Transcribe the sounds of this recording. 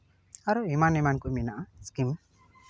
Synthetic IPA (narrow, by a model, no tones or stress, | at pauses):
aɾuimanimankuminaʔaskim